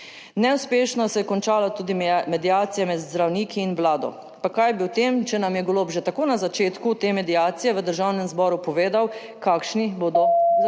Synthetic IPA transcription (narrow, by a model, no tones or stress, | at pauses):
nɛuspeːʃnɔsɛjɛkɔnt͡ʃaːlat̪uːd̪imɛd̪ijaːt̪sijamɛd̪zd̪ɾawniːkʰiːnʋlaːd̪ɔ̰ | pakajbiwt̪eːmt͡ʃɛnamjɛɡoloːbʒɛt̪akoːnazat͡ʃeːt̪kut̪eːmɛd̪iaːt̪sijɛʋəd̪əɾʒawnɛmzbɔːɾupɔʋeːd̪aw | kaːkʃniboːd̪ɔ